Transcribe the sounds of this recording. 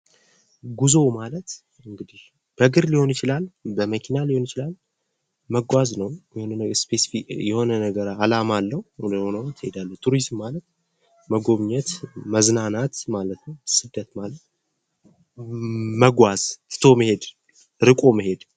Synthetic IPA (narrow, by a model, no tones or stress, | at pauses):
ɡuzo̞malət̪ | ɨŋɡɨd̪ih | b̥əɡɨɾliho̞njɪt͡ʃɪlalbəməkʰinaliho̞njɪt͡ʃɪlal | məɡʷaznəwjɛhonənəspesfijɛho̞nənəɡəɾalamalːəhud̪əhonəwt̪ʰːɨhe̞d̪alːət̪ʰuɾizmːalət̪ | məɡo̞βɲɛt̪məznanat̪malət̪nəwsɨd̪ːət̪malət̪ | məɡʷaz̥t̪ɨ̥t̪ʰo̞məhe̞d̪ | ɾɨkʼo̞mɨɦe̞d̪